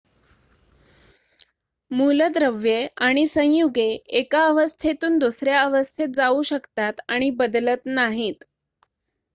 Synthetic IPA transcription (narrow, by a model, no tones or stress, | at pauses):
muləd̪ɾəʋjeaɽ̃isə̃j̃juɡeekaəʋəst̪ʰet̪uːnd̪usɾjaəʋəst̪ʰet̪̚d͡zauɕəkt̪at̪aɽ̃ibəd̪lət̪naɦiːt̪